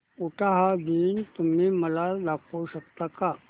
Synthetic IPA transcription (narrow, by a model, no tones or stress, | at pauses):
uʈaɦad̪iːnt̪um̤iːməlalakʰuɕəkt̪aka